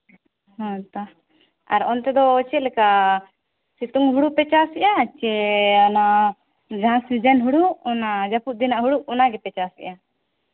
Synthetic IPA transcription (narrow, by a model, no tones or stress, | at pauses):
ɦɔ̃t̪a | aɾɔnt̪ɛd̪ɔt͡ʃɛlɛka | sit̪uŋɦuɽupɛt͡ʃasɛʔat͡ʃɛana | d͡ʒãsid͡ʒanɦuɽuʔɔnad͡ʒapuʔ̚d̪inaʔɦuɽuʔɔnaɡɛpɛt͡ʃasɛ̰ʔa